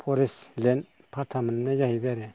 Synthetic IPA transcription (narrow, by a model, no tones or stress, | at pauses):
pʰɔɾislɛn | pʰatʰamənnɛjahiβɛɾɛ